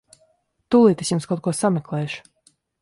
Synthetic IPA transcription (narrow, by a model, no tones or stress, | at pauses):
t̪ulˠiːt̪esjumskawt̪̚kuɔsamʲɛklˠɛːʃu̥